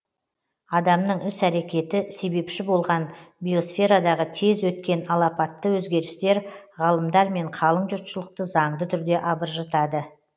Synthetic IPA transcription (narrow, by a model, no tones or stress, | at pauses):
ɑd̪ɑmnəɴɪsæɾe̞kʲe̞t̪ɪse̞be̞pʃɪbo̞lˠʁɑnbijo̞sfʲe̞ɾad̪ɑʁət̪ʰe̞zwɵt̪̚kʲe̞nɑlˠɑpɑt̪ːəwɵzɡʲe̞ɾɪst̪e̞ɾʁɑlˠəmd̪ɑɾme̞ɴqʰɑlˠəɴʒʊɾt̪ʃəlˠəq̚t̪əzɑɴd̪ət̪ʰʏɾd̪e̞ʔɑbəɾʒɑt̪ɑd̪ə